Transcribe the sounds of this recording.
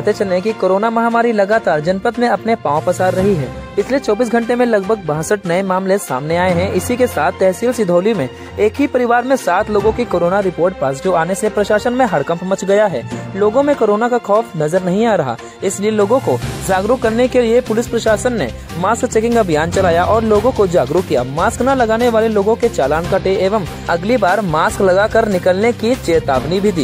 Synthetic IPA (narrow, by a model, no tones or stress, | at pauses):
ət̪et͡ʃɐlẽkikoːɾoːnamɐɦamaːɾilɐɡaːt̪aːɾd͡ʒɐnpət̪mẽɐpnepãːõpɐsaːd̪ɾɐɦiɦɛ̰ː | ɪsliet͡ʃɔːbiːs̬ɡʱɐ̃ɳʈemẽlɐɡbʱəɡ̚bãːɦsəʈnɐemaːmlesa̰ːmneaːeɦɛ̃ʔɪsikesaːt̪ʰːɛɦsiːlsɪd̪ʱoːlimẽ | eːkɦipɐɾɪʋaːɾmẽsaːt̪ʰloːɡõkikoːɾoːnaɾɪpoːɾʈ̚paːsd͡ʒoaːnesepɾɐʃaːʃənmẽɦɐɾkɐ̃mpʰmɐt͡ʃɡɐjaɦɛːloːɡõmẽkoːɾoːnakaxʰɔːfnɐzəɾnɐɦĩaːɾɐɦa̰ː | ɪslieloːɡõkod͡ʒaːɡɾʊkːɐɾnekeliepʊlɪspɾɐʃaːʃənːe | maːskt͡ʃeːkɪ̃ŋkabʱjaːnt͡ʃɐlaːjaʔɔːɾloːɡõkod͡ʒaːɡɾukːija̰ːmaːsknalɐɡaːneʋaːleloːɡõket͡ʃaːlaːnkaʈeʔeːʋəm | ɐɡlibaːɾmaːsklɐɡaːkɐɾnɪkəlnekit͡ʃeːt̪a̰ːʋnibʱid̪iː